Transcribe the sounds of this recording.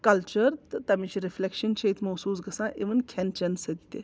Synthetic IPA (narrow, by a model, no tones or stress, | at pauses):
kɐlt͡ʃəɾt̪ɨt̪ɐmit͡ʃʰiɾiflekʃənt͡ʃʰɐit̪ʰmɐsuːs̬ɡɐsãːʔiʋɐnkʰent͡ʃɐnsɐd̪it̪ḛ